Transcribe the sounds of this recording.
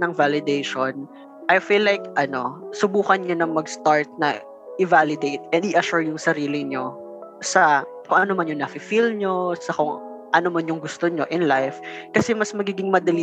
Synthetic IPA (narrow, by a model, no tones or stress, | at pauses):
nɐŋvalɪd̪ejʃon | ʔajfilːajkʔɐno̞sʊbuːkɐnɲonɐŋmɐɡst̪aɹt̪̚nɐ̰ | ʔɪvalɪd̪ejt̪̚ʔɛnd̪ɪʔɐʃuɹjʊŋsɐɾiːlɪɲo̞ | sɐ | koŋʔɐno̞mɐnjʊŋnɐfɪfilɲo̞sɐkʊŋ | ʔɐnomɐnjʊŋɡʊst̪oɲo̞ʔɪ̃nlajfkɐsɛmɐsmɐɡiːɡɪŋmɐd̪ɐli